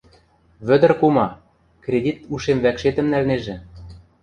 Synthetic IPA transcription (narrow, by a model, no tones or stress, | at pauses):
βɘ̆d̪ə̆rkumɑ | krʲedʲit̪uʃemvækʃet̪ə̆mnælneʒĕ